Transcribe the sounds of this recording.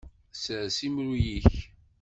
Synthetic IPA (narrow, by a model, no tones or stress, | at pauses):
səʕsimɾujiç